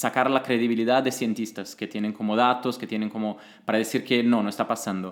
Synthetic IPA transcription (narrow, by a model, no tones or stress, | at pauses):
sakaɾlakɾeðiβiliðad̪ːeθjent̪ist̪asket̪jeneŋkomoðat̪osket̪jeneŋkomo | paɾaðeθiɾkenonoest̪apasand̪o